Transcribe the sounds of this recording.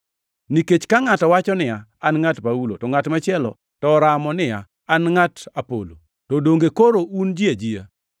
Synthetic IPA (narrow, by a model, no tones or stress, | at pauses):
niket͡ʃkaŋatɔwat͡ʃɔnɪaːnŋatpaulo̰tɔŋatmat͡ʃɪɛlɔ̰ | tɔɾamɔnɪjaː | nŋatapo̰lo̰ | tɔdoŋɡekoɾound͡ʒiad͡ʒia̰